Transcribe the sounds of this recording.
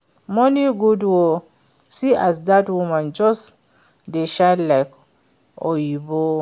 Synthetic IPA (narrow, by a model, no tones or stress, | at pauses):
mɔniɡudwo | siʔazdatwumãnd͡ʒɔs | deʃadlaɪk | ɔjibo